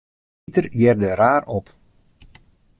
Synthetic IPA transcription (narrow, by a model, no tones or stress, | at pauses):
itərjɛrdəɾaːrɔp